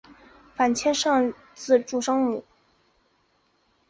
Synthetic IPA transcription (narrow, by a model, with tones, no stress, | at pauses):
fa˨˩nt͡ɕʰjɛ˥nʂɑ˥˧ŋ | t͡sɹ̩˥˧ʈ͡ʂu˥˩ʂɑ˥ŋmu˨˩˦